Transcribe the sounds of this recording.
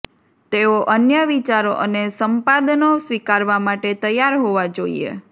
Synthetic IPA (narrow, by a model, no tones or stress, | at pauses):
t̪eoʔənjəʋit͡ʃaɾo̰ʔənesəmpad̪nosʋikaɾʋamaʈet̪əjaɾɦoʋad͡ʒoḭḛ